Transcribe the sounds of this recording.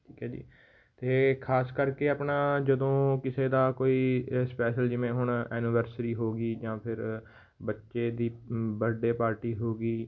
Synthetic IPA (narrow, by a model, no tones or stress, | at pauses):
ʈʰiːkɦɛːd͡ʒḭː | t̪eːkʰaːskəɾkeːaːpɳaːd͡ʒəd̪õːkɪseːd̪aːkoːiːspɛːʃəld͡ʒɪʋẽːɦʊɳɛːnɪʋəɾsɾiːɦoːɡiːd͡ʒãːpʰɪɾ | bətːʃeːd̪iːbəɖeːpaːɾʈiːɦoːɡiː